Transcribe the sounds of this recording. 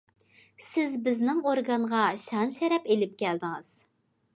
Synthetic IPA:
sɪzbɪznɪŋoɾɡɑɴʁɑʃɑnʃɛɾɛpelɪp̚kʲɛld̪ɪŋɨz̥

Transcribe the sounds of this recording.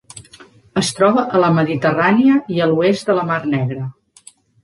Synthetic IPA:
əst̪ɾɔβəʔələməðit̪əraniəiəluezd̪ələmarnɛɣɾə

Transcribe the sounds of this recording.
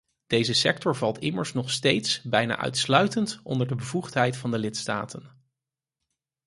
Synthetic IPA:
d̥ejzəsɛk̚tɔɹvɑlˠtɪməɹsnɔχstejtsbɛjna̰ːʔœ̰ɥtslœɥtəntɔ̰ndəɹdəbəvuχtɦɛjtfɑndəlɪtsta̰ːtən

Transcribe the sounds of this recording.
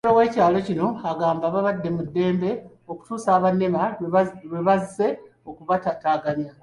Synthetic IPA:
lowe̞ːcaːlo̞cino̞aɡaːmbaːβaβadːe̞mudːe̞ːmbe̞ | o̞ku̥tuːsaːβanːemaβweβazise̞ | o̞kuβatataːɡamja

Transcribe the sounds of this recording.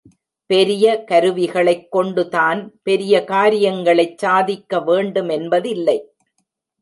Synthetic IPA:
pɛɾɪjɐkɐɾɯʋɪɣɐɭɐɪkːɔɳɖɯt̪aːnpɛɾɪjɐkaːɾɪjɐŋɡɐɭɐɪt͡ʃsaːðɪkːɐʋeːɳɖɯmɛnbɐðɪlːɐɪ

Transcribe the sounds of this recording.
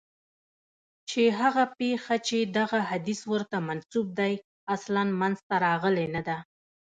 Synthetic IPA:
t͡ʃeɦaɣapexat͡ʃed̪aɣaɦad̪iswəɾt̪amansub̚d̪aj | aslanmanzt̪aɾɑɣəlenad̪a

